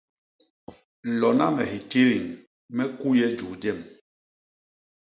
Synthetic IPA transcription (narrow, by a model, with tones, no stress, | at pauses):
lɔ˨na˦mɛ˨hi˨ti˦ɾi˨ŋ | mɛ˦ku˦jɛ˦d͡ʒu˨d͡ʒɛ˦˨m